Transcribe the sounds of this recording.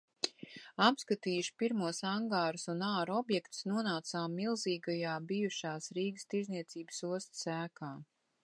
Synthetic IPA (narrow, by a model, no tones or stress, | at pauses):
apskat̪iːjuʃpiɾmuɔsaŋɡaːɾusunaːɾɔbjɛkt̪snuɔnaːt̪saːmːilˠziːɡajaːbijuʃaːsɾiːɡəst̪iɾzniɛt̪siːbəsuɔst̪sæːkaː